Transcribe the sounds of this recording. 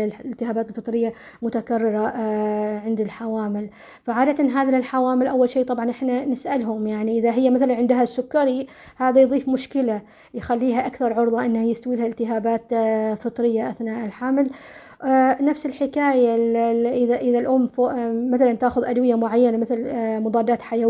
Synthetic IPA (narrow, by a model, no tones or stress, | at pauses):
lɪlt̪ɪhaːbaːt̪ɪlfɨt̪ˤɾɪjːa | mʊt̪akarːɪɾa | ʕɪnd̪ɪlħawaːmɪl | faʕaːd̪at̪anɦaːðalħawaːmɪlʔawːalʃiːt̪ˤɑbʕɑnʔɪħnanɪsʔalɦʊmjaʕniʔɪðaɦɪjːamaθalanʕɪnd̪ɦasːʊkːaɾi | haːðajðˤiːfmʊʃkɪla | jxalːiːɦaʔakθɑɾˤʕʊɾðˤɑʔɪnːhajɪst̪awiːlhaɪlt̪ɪɦaːbaːt̪fɨt̪ˤɾɪjːaʔaθnaːʔɪlħaml | nafsɪlħɪkaːjaʔɪðaʔɪðalʔʊmːfoʔːaθalant̪aːxʊðʔad̪wɪjamʊʕajːanamɪθɪlmʊd̪ˤɑːd̪ːaːt̪ħaja